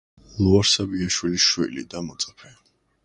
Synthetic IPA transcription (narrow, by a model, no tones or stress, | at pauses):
lˠuaɾsabiaʃwiliʃwḭlḭd̪amɔt̪sʼapʰɛ